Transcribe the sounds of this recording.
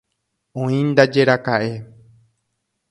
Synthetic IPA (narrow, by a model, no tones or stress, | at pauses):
õĩnd̪ad͡ʒe̞ɾakaʔe̞